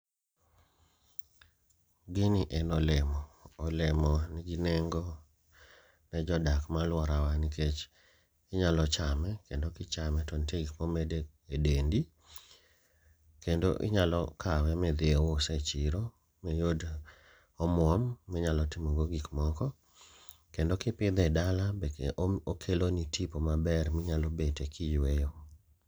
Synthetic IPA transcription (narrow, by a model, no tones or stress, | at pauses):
ɡɪniʔɛnɔlɛmɔːlɛmɔniɡinɛŋɡɔ | nɛd͡ʒɔdakmalwɔɾawaniket͡ʃ | ɪɲalɔt͡ʃamɛkendokɪt͡ʃamɛtɔnteɡikmɔmede | edendi | kendoʔɪ̰ɲalɔkʰawɛmɛd̪eowosɛt͡ʃɪɾo | mejod | ɔmwɔmːɛɲalɔtimoɡoɡikmɔkɔ | kendokɪpɪd̪ɛdalabɛkʔokʰelonitʰipomabɛrmɪɲalobetekʰɪjwejo